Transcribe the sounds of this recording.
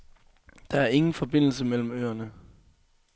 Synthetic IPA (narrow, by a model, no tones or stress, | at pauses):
d̥ɑ̈æɐe̝ŋn̩fɒ̽b̥e̝n̰l̩səmel̰m̩øːɐnə